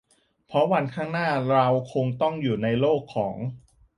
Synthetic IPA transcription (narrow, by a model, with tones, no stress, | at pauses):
pʰɾɔ˦˥wa˧nkʰaː˥˩ŋnaː˥˩ɾa˧wkʰo˧ŋt̪ɔ˥˩ŋjuː˨˩na˧jloː˥˩kʰːɔː˩˦ŋ